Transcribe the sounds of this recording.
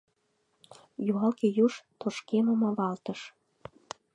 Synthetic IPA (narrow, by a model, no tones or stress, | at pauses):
juɑlkejuʃt̪oʃkeməmɑβɑlt̪ə̆ʃ